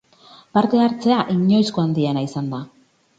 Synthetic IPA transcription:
paɾt̪e̞aɾt͡se̞aʔiɲo̞jsko̞and̪ienaisand̪a

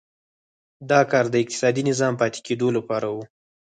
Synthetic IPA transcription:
d̪ɑkɑɾd̪əɪq̚t̪ɪ̥sɑd̪inɪzɑmpɑt̪e̥ked̪olapɑɾawu

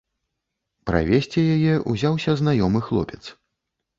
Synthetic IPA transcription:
pɾa̰vʲesʲt͡sʲɛjajɛʔuzʲawsʲɐznajɔmɨxlˠɔ̰pʲɛt̪s

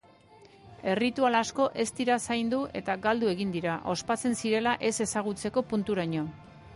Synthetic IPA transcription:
e̞rit̪ualasko̞ʔe̞st̪iɾasajnd̪uʔe̞t̪aɡald̪ue̞ɣind̪iɾaʔo̞spat͡se̞nsiɾe̞laʔe̞se̞saɣ̞ut͡se̞ko̞punt̪uɾaɲo̞

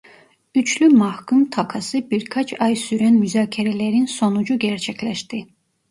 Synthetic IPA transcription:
yt͡ʃʰlymɑhkʰumt̪ʰɑkʰɑsɯbiɾkʰɑt͡ʃʰɑjsyɾænmyzɑːcʰiɾælæɾinso̞nud͡ʒuɟæɾt͡ʃʰæcʰlæʃt̪i

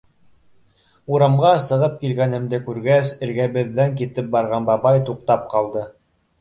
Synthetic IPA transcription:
uɾɑmʁɑsɤ̆ʁɤp̚kilɡænɘ̆md̪ɘkʉɾɡæsɘ̆ɾɡæβɘ̆ðːæŋkit̪ɘp̚bɑɾʁɑnbɑβɑjt̪uq̚t̪ɑp̚qɑlˠd̪ɤ

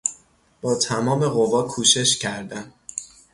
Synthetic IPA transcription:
b̥ɒːt̪ʰæmɒːme̞ɣo̞vɒːkʰuːʃe̞ʃcʰæɾd̪æn

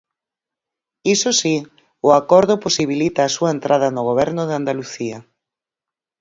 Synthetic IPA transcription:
isosi | ʊakɔɾð̞ʊposiβ̞ilit̪aːsuaent̪ɾaðɐnʊɣoβ̞ɛɾnʊðeand̪aluθiɐ

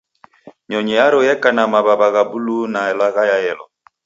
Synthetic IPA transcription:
ɲɔɲɛjaɾɔjɛkanamaβabaɣabulunaɛlaɣajaɛlɔ̰

